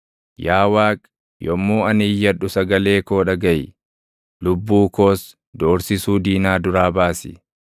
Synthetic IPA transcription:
jaːwaːkʼ | jɔmːuːɐnɪjːɐᶑʊsɐɡɐle̞ːko̞ːᶑɐɡɐjɪ | lʊbːuːko̞ːs | d̪oːɾsɪsuːd̪iːnaːd̪ʊɾaːbaːsɪ̰

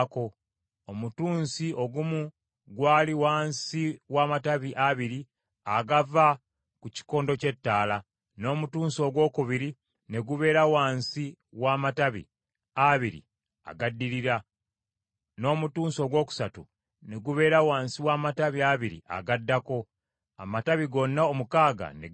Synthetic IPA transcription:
ko̞ | omutuːnsiʔo̞ɡumu | ɡwaːliwaːnsiwaːmataβiʔaβiɾi | aɡava | kuci̥ko̞ːndo̞ce̞tːaːla | no̞ːmutuːnso̞ːɡwo̞ːkuβiɾi | ne̞ɡuβe̞ːɾawaːnsi | waːmataβḭ | aβiɾḭ | a̰ɡadːiɾiɾa | no̞ːmutuːnso̞ːɡwo̞ːku̥satu | ne̞ɡuβe̞ːɾawaːnsiwaːmataβiaβiɾḭʔa̰ɡadːako̞ | a̰mataβiɡo̞nːaomukaːɡa̰ne

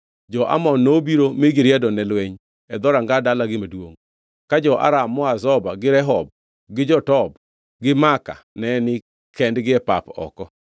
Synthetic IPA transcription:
d͡ʒɔʔa̰mɔnːobiɾomɪɡɪɾjɛdɔnɛlweɲ | ɛd̪ɔɾaŋɡadalaɡɪmedwo̰ŋ | kad͡ʒɔʔa̰ɾamːɔazɔbaɡɪɾɛɦɔb̚ | ɡɪd͡ʒɔtɔb | ɡɪmaka̰nɛnɪ | kʰɛndɡɪɛpapɔ̰kɔ

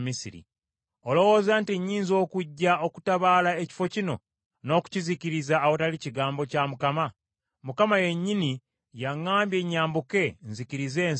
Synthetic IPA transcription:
misiɾḭ | olo̞wo̞ːzaːntiɲːiːnzo̞ːkuɟːao̞ku̥taβaːlaeci̥fo̞cino̰ | no̞ːku̥ciziciɾizaːwo̞taliciɡaːmbo̞camukama | mukamaje̞ɲːini | jaŋːaːmbje̞ɲːaːmbuke̞nziciɾize̞ːn

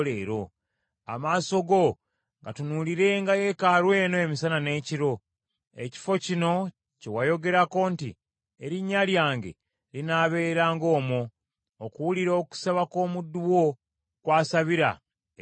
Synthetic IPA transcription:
leːɾo̞ | a̰maːso̞ɡo̞ | ŋɡatunuliɾe̞ŋɡaje̞kaɾwe̞ːno̞emisanane̞ːciɾo̞ | e̞̰ci̥fo̞cino̞ | cewajo̞ɡe̞ɾako̞nti | eɾiɲːaljaːŋɡe̞̰ | linaːβe̞ːɾaːŋɡo̞ːmoː | kuwuliɾoːku̥saβako̞ːmudːuwo̞ | kwaːsaβiɾa̰

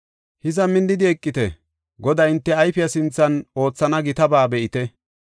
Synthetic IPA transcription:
hɪzɐmɪnd̪ɪd̪ɪɛkʼːɪt̪ɛ | ɡɔd̪ɐjɪnt̪ːɛɐjfɪjɐsɪnt͡sːɐno̞ːt͡sːɐnɐɡɪt̪ɐbaːbɛʔɪt̪ɛ

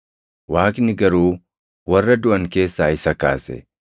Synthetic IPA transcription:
waːknɪɡɐɾuː | wɐrːɐd̪ʊʔɐŋke̞ːsːaːɪsɐkaːsɛ̰

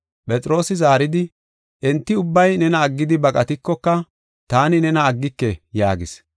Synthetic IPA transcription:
pʼɛt͡sʼɪɾo̞ːsɪzaːɾɪd̪ɪ | ʔɛnt̪ːɪʊbːɐjnɛnɐːɡːɪd̪ɪbɐkʼɐt̪ɪkːɔkːɐ | t̪aːnɪnɛnɐːɡːɪkːɛjaːɡɪs

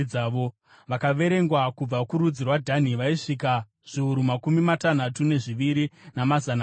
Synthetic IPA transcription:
aːʋo̞ | ʋakaʋe̞ɾe̞ŋɡwakub͡vakuɾud͡zirwadʱan̤iʋaiʂika | ʐ̥iuɾumakumimatan̤atune̞ʐiʋiɾinamazan

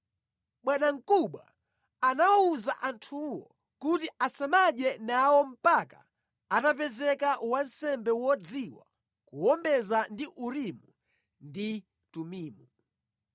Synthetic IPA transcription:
ɓwɛɗaŋ̩kuɓwa̰ | anawauzaʔantʰuwɔ̰ | kut̬iʔasamaɗɛnawɔm̩paka̰ | atap̬ɛzɛkawansɛmbɛwɔd͡ziwa̰ | kuwɔmbɛzandiʔuɾimu | ndi | tumiːmu

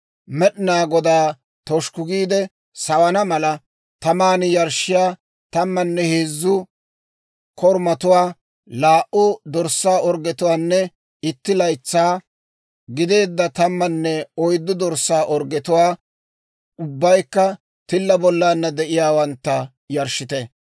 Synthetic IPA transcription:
mɛɗɪnaːɡɔd̪aː | t̪ɔʃkʊɡiːd̪ɛ | sɐwɐnɐmɐlɐ | t̪ɐmaːnɪjɐɾʃɪjaː | t̪ɐmːɐnːɛheːzːʊ | kɔɾmɐt̪ʊwaː | laːʔʊd̪ɔɾsːaːɔɾɡɛt̪ʊwaːnːɛ | ɪt̪ːɪlɐjt͡sːaː | ɡɪd̪e̞ːd̪ːɐt̪ɐmːɐnːɛɔjd̪ːʊd̪ɔɾsːaːʔɔɾɡɛt̪ʊwaː | ʊbːɐjkːɐ | t̪ɪlːɐbɔlːaːnːɐd̪ɛʔɪjaːwɐnt̪ːɐ | jɐɾʃɪt̪ɛ

